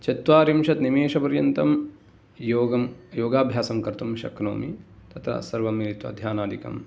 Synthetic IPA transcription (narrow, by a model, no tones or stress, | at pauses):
t͡ʃɐt̪ʋaːɾimʃɐt̪nimeːʃɐpɐɾjɐnt̪ɐm | joːɡɐmjoːɡaːbʱjaːsɐmkɐɾt̪umʃɐ̰kno̰ːmit̪ɐt̪ɾɐ̰sɐɾʋɐmiːlit̪ʋɐ̰d̪ʱjaːnaːd̪ikɐ̰m